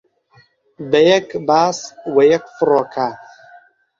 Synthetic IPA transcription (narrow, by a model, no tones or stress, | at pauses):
bɐjɐkbaːswɐjɐkfɨroːkʰa